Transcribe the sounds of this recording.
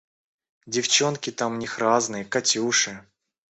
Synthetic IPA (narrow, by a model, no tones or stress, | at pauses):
dʲɪft͡ɕonkʲɪt̪amnʲixɾaznɨjəkɐtʲuʂɨ